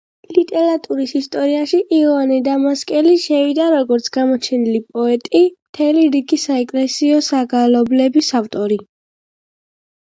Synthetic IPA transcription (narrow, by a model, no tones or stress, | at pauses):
lit̪ʼɛɾat̪ʼuɾisist̪ʼɔɾiaʃiʔiɔanɛd̪amaskʼɛliʃɛvid̪aɾɔɡɔɾt̪sʰɡ̥amɔt͡ʃʰɛnilipʼɔɛt̪ʼimt̪ʰɛliɾiɡisaɛkʼlɛsiɔsaɡalɔblɛbisaft̪ʼɔɾi